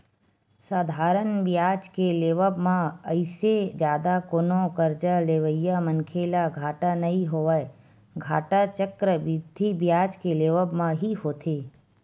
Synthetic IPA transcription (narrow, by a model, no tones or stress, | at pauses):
saːd̪ʱaːɾənbjaːd͡ʒkeleːʋəbmãəɪsed͡ʒjaːd̪akonõkəɾd͡ʒaleːʋəjːamənkʰeːlaɡʱaːʈanɐɦĩɦoːʋəe | ɡʱaːʈat͡ʃəkɾəʋɪd̪ʱːibjaːd͡ʒkeleːʋəbmãɦiɦoːt̪ʰeː